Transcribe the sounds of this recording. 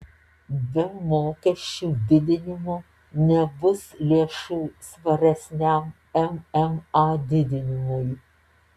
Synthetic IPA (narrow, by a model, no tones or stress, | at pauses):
bʲɪmoːkʲɛʃʲt͡ʃʲuːd̪ʲɪd̪ʲɪnʲɪmo | nʲɛbʊslʲiɛʃuːsʋɐɾʲɛsʲnʲæm | ɛmɛmɑd̪ʲɪd̪ʲɪnʲɪmʊj